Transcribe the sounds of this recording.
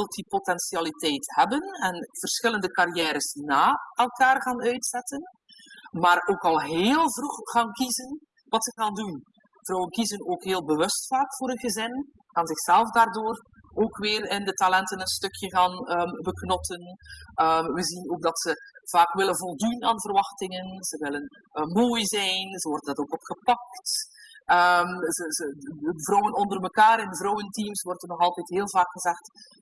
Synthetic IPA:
ɪlˠtipotɛnsialitɛjthɛbənɛnv̥ərsxɪləndəkaɾijɛːɾəsdinaːɛlˠkaːrɣaːnœɥtsɛtən | maːɾoːkɑlˠɦeːlˠvruxɣaːnkizən | ʋɑtsəɣaːndun | v̥ɾɔwənkizənoːkɦeːlˠbəʋɵstfaːkfʊːɾənɣəzɪn | kaːnzɪxsɛlˠfdaːrdoːr | oːkʋɪːrɪndətalɛntənənstɵkʰjəɣaːnəbəknɔtənəmʋəzinoːɡ̚dɑtsəv̥aːkʋɪlənvɔlˠdunaːnvərʋɑxtɪŋənzəʋɪlənː | moːjzɛjnzəʋɔrdəndɑtoːkɔpxəpɑktəmzəzəvrɔwənɔndərməkaːɾɪndəvrɔwəntimsʋwɔrtənɔxɑlˠtɛjtɦeːlˠvaːkxəzɛxt

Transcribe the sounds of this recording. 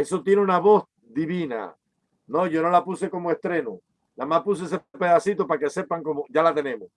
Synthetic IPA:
e̞so̞t̪je̞neunaβo̞s | d̪iβina̰ | no̞ʝo̞no̞lapuse̞ko̞moest̪ɾe̞no | lamahpus̬oes̬epe̞ðasit̪o̞pakese̞paŋko̞moʝalat̪e̞nẽ̞mos

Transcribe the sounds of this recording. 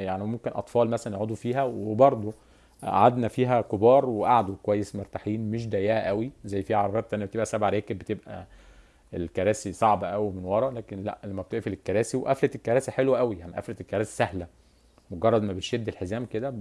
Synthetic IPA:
jaʕnimomkenʔɑ̰t̪ˤfɑːlmæsælænʕod̪ˤufiːɦæwebɑɾˤd̪ˤo | ʔa̰ʕad̪næfiːɦækobɑːɾˤweʔaʕad̪ukowæjːesmoɾt̪aħiːnmeʃ̬d̪æjːæhʔæwizæjːfiːhʕɑɾˤɑbɑːt̪̚t̪ænjæbet̪ebʔæsæbʕaɾeːkæbet̪ebʔæ̰ | elkɑɾˤæːsisˤɑʕbɑʔæwimenwɑɾˤɑlæːkenlæ̰ʔlæmːæbet̪eʔefilekːɑɾˤæːsiweʔæflet̪elkːɑɾæːsiħelwæʔæwijaʕniʔæ̰flet̪elkːɑɾæːsi̥sæhlæ | moɡɑrˤːɑd̪mæbeʃed̪ːelħezæːmked̪æ

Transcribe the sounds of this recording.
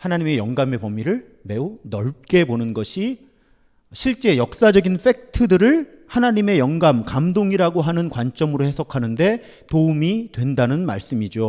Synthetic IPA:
hanaɲime̞jʌŋɡame̞pʌmiɾɯɭ | me̞unʌɭp̚k͈e̞bonɯnɡʌɕʰi | ɕʰiɭt͡ɕ͈e̞jʌk̚s͈ad͡ʑʌɡinfʰe̞k̚tʰɯdɯɾɯɭhanaɲime̞jʌŋɡamkamdoŋiɾaɡoɦanɯnkwant͡ɕ͈ʌmɯɾohe̞sʰʌkʰanɯnde̞ | toumidwe̞ndanɯnma̰ɭs͈ɯmid͡ʑo

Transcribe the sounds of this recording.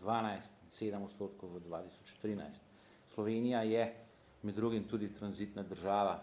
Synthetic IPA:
d̪ʋaːnajst̪seːd̪əmɔt̪st̪oːt̪kɔwʋəd̪ʋaːt̪isɔ̥t͡ʃt̪ɾiːna̰jst̪ | slɔʋeːnijajɛ | mɛd̪ːɾuːɡimt̪uːd̪it̪ɾanzit̪nad̪əɾʒaːʋa

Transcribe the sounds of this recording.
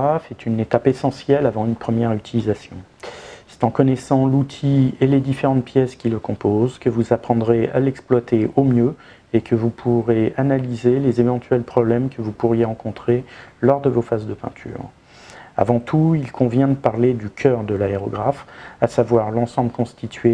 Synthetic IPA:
afɛt̪ʰynet̪apesɑ̃sjɛlavɑ̃ynpχəmjɛʁyt̪ʰilizasjɔ̰̃sɛ̥t̪ɑ̃kɔnɛsɑ̃lut̪ʰieled̪ifeʁɑ̃t̪̚pjɛskʲiləkɔ̃pozkəvuzapχɑ̃d̪ʁea̰lɛksplwat̪eomjø | ekʰəvupʰuʁeanalizelezevɑ̃t̪ʰɥɛlpχɔblɛmkʰəvupuʁjeʁɑ̃kɔ̃t̪χelɔʁd̪əvofazd̪əpɛ̰̃t̪ʰy̰ːʁ | a̰vɑ̃t̪ʰuilkʰɔ̃vjɛ̃d̪əpaʁled̪ykʲʰœʁd̪əlaeʁɔɡʁafasavwaʁlɑ̃sɑ̃bləkɔ̃st̪ʰit̪ɥe

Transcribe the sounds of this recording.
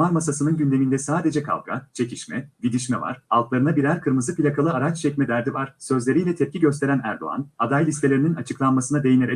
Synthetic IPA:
aɾmasasɯnɯnɟynd̪e̞mind̪ɛsaːd̪e̞d͡ʒɛkʰa̰lˠɡa̰t͡ʃʰe̞cʰiʃmɛ̰vid̪iʃmɛva̰ɾ̥a̰lˠt̪lˠaɾɯnabiɾæɾkʰɯɾmɯzɯpilʲakʰalˠɯaɾat͡ʃt͡ʃʰɛcmɛd̪æɾd̪ivaɾ̥sø̞zlʲe̞ɾijlʲɛt̪ʰɛp̚cʰiɟøst̪ʰe̞ɾænæ̰ɾd̪o̞̰a̰nad̪ajlʲist̪ʰe̞lʲe̞ɾininat͡ʃʰɯklˠanmasɯnad̪e̞jineɾe

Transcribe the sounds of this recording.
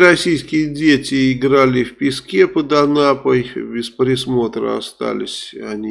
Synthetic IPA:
ɾɐsʲijskʲɪjədʲetʲɪːɡɾalʲɪfʲpʲɪskʲepəd̪anapəjbʲɪspɾʲɪsmot̪ɾə̰a̰st̪a̰lʲɪ̰sʲa̰nʲi

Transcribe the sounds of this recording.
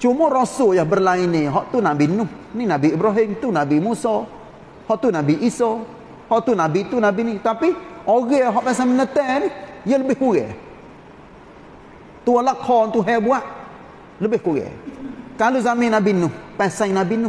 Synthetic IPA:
t͡ʃumɔɾosojahbərlainiɦɔʔt̪unabinʊh | ninabiibɾɔɦɪmt̪unabimusɔ | hɔʔt̪unabiʔisɔ | hɔʔt̪unabit̪unabinit̪apioɣɛɦɔʔpɛsamənət̪ɛnijələbɪhkuɣɛ̰ | t̪ualakʰɔnt̪uɦɛbuaʔ | ləbɪhkuɣɛ̰kalozamɪnabinʊhpɛsaŋnabinʊ

